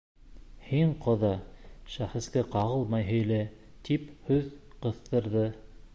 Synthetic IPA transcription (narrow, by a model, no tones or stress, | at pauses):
hiɴqŏðɑʃæχɘ̆skæqɑʁɤlˠmɑjɦɵ̆jlæ | t̪iphɵðqɤ̆θt̪ɤ̆ɾðɤ